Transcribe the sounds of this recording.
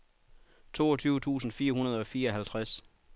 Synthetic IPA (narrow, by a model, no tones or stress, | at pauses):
t͡sʰo̝̰ːɒt͡sʰyːʊət͡sʰṵːsn̩fiːɐɦunɐð̞ˠɒ̽fiːɐɒ̽ɦælt͡sʰʁas